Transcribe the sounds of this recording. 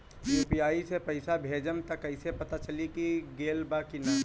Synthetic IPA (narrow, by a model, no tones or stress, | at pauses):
jupiaisepəɪsabʱed͡ʒəmt̪əkəɪsepət̪at͡ʃəlikiɡelbakinə